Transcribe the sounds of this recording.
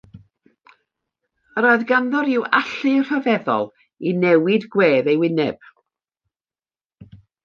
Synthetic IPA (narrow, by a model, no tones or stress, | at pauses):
əɾoːɨðɡanðɔɾɪwaɬɨr̥əvɛðɔ̰lˠ | inɛwɪdɡweːðejwɪnɛb̥